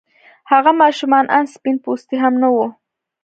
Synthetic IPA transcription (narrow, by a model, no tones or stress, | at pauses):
haɢamaʃʊmanʔanspɪnpʊst̪ɪɦamnowo